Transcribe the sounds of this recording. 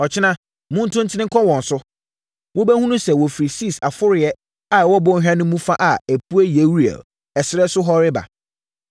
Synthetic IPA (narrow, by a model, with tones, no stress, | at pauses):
ɔ˨t͡ɕʰɪ˦nã˦ | mʊ̃˦n̩˦tʰʊ̃˦n̩˦tʰɪ˦nɪ̃˦kʰɔ˦wɔ̃˨n˨sʊ˦ | wʊ˦bæ˦hũ˦nʊ̃˦sɛ˨wɔ˨fi˨ɾi˨si˦˨sa˨fʊ˦ɾɪ˨ɛ˦ | a˨wɔ˦bɔ̃˦ɦᶣã˦nʊ̃˦mũ˦fa˦ʔa˨æ˨pʰu˦æ˦je˨˦wu˦ɾɛ̰˨l | ɛ˨sɪ˨ɾɛ˦sʊ˦ɦɔ˦ɾɪ˦ba̰˨